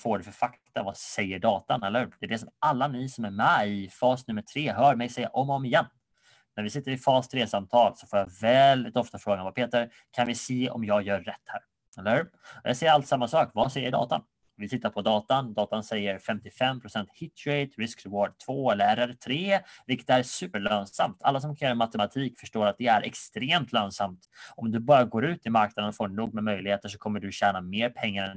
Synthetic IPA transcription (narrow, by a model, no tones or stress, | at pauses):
foːɖɛfœɾfakt̪avasɛjːəɖɑːt̪anɛlːəhʉd̪̥ɛɛɖɛs̬ɔmalːamɪsɔmæɾmɛɪfɑːsnɵmːəʈʰɾeːɦœːɾmɛjsɛjːa̰ʔɔmɔmɪjɛn | næɾvɪsɪt̪ːəɾɪfɑːst̪ʰɾeːsamt̪ʰɑːlsɔfoːjavɛld̪ɪt̪ɔft̪afɾoːɡanvapʰeːt̪əɾ | kʰanmɪseːɔ̰mjɑːɡjœːɛt̪ːhæːɾ | ɛlːəɾhʉ | ɔjɑsɛjːəɾalt̪samːasɑːkvasɛjːəɖɑ̰ːt̪a̰n | vɪt̪ɪt̪ːaɾpʰɔd̪ɑːt̪and̪ɑːt̪ansɛjːəɾfɛmt̪ɪfɛmːpʰɾʊsɛnt̪hɪt̪ʰeɪt̪ɾɪskɾɛwoːɖt̪ʰvoːɛlːəɾæɾɛɾt̪ʰɾeːvɪlkːə̥t̪æɾsʉ̟ːpəɭøːnsa̰mt̪ʰa̰lːas̬ɔmkʰanjœːɾamat̪ɛmat̪ʰiːkfœʂʈoːɾat̪̚d̪ɛæɾʔɛ̰kst̪ɾeːmt̪ʰløːnsamt̪ʔɔmd̪ɵbɑːɾaɡoːɾʉ̟ːt̪ɪmaɾknad̪ənfoːɖɛɳuːɡ̚mɛmœjlɪɡheːt̪əʂɔkʰɔmːəɖɵɕæːnameːɾpʰɛŋːaɾɛn